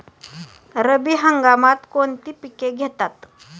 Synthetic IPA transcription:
ɾəbiːɦəŋɡamat̪kont̪iːpikeɡʱet̪at̪

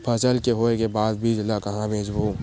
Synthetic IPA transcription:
pʰɐsəlkeɦoːekebaːd̪bʱid͡ʒɪlakɐɦãmẽːd͡ʒboː

